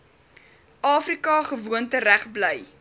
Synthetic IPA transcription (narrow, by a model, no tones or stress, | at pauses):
ʔɑːfrikɑχəvuəntəɾæχbləj